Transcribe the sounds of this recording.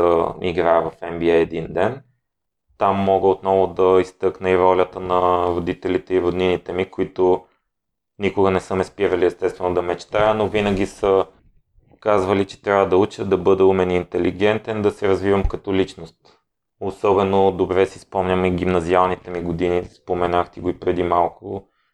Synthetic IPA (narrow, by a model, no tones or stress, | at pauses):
əḭɡɾajəvɐfɛmbiɛɛd̪ind̪ɛn | t̪amːɔɡəot̪nɔvʊd̪ɐist̪ɤknəivɔlʲət̪ənɐɾod̪it̪ɛlit̪ɛiɾʊd̪ninit̪ɛmikʊit̪ʊ | nikʊɡənɛsɤmɛspiɾəliɛst̪ɛst̪vɛnod̪ɐmɛt͡ʃt̪ajənovinəɡ̟ʲisə | kazvɐlit͡ʃɛ̥t̪ɾʲavəd̪ɐut͡ʃəd̪ɐbɤd̪ɛumɛnint̪ɛliɡ̟ɛnt̪ɛnd̪ɐsɛɾɐzvivəmkɐt̪ɔlit͡ʃnost̪ | osɔbɛnod̪obɾɛsispɔmnʲəmiɡ̟imnɐzialˠnit̪ɛmiɡod̪inispomɛnaxt̪ɛɡoipɾɛd̪imalˠkʊ